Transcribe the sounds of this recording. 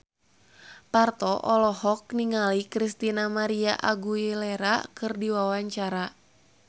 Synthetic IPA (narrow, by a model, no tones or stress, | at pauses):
part̪ɔʔɔlɔɦɔk̚niŋalikɾist̪inamaɾia̰ʔaɡuilɛɾakɨrdiwawaɲt͡ʃaɾa